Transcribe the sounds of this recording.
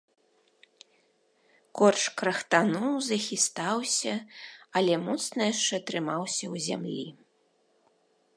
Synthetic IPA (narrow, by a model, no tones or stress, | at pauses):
kɔrt͡ʂkɾɐxt̪anuwzɐxʲist̪awsʲɐɐlʲɛmɔt̪snɐjaʂt͡ʂɛt̪ɾɨmawsʲɐwzʲa̰mlʲi